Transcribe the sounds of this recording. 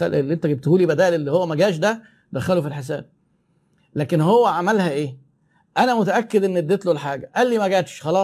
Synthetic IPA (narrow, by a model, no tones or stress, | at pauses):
æ̰lʔelːiʔent̪æɡeb̚t̪huːlibæd̪æːʔlelːihowːæmæɡæːʃ̬d̪æ | d̪æxælufilħes̬æːb̥̚ | læːkenhowːæʕamælhæʔeː | ʔænæmʊt̪æʔækːed̪ʔenːed̪ːet̪lolħaːɡæʔælːiːmæɡæːt̪ʃxɑlɑː